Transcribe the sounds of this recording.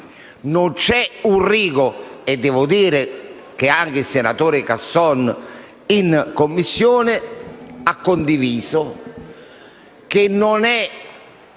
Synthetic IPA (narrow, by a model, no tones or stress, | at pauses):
nʊnt͡ʃɛuriːɡʊɛd̪ːɛːvʊd̪iːɾɪ | k̟eaŋk̟ɪisːɪnat̪oːɾɪkasːɔn | inkomːisːjoːnɪakːond̪iviːsʊ | kenːonɛ